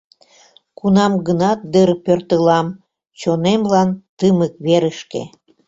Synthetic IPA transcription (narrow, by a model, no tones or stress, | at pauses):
kunɑmɡənɑt̪̚d̪əɾpørt̪əlɑm | t͡ɕonemlɑnt̪ɨməkβeɾəʃkḛ